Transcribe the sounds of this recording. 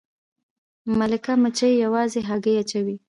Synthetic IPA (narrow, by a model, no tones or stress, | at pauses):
malɪkamət͡ʃajjawɑzeɦaɡəjat͡ʃawi